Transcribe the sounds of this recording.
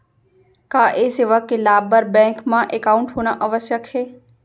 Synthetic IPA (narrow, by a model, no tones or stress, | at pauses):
kaːʔeseːʋəkːelaːbəɾbɛ̃ːŋkmãʔekaʊɳʈɦoːñaʔəʋəsjəkheː